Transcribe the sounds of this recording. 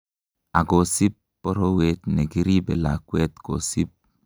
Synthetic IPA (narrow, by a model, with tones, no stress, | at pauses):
a˨ɡo˨si˦pːɔ˦ɾo˦we˦tne˨ɡi˦ɾi˦bɛ̰˨la̰˨kwɛ˦t̪ko̰˨si˦p̚